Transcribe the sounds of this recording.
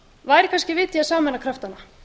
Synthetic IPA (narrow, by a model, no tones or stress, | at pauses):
vaːjɾɪ̥kʰanscɪvɪːt̪jiaðsaːmɛnakʰɾaft̪anːa